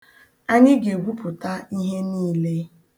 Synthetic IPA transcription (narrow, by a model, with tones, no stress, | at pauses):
a˦ɲɪ˦ɡe˨ɡʷu˦pʊ˨ta˦i˦ɦe˦niː˦le˦